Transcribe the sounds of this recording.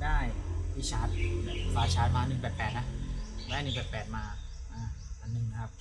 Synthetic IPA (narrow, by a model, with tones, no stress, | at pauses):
daː˥˩ji˦˧˩t͡ɕʰaː˦˥t̪̚ːpaː˧t͡ɕʰaː˦˥t̪̚maː˧nɯ˨˩ŋbɛː˨˩pːɛː˨˩t̪̚na˦˥daː˥˩jnɯ˨˩ŋbɛː˨˩pɛː˨˩t̪̚maː˧ | ʔaː˧˩ʔa˨˩nːɯ˨˩ŋna˦˥kʰa˦˥p̚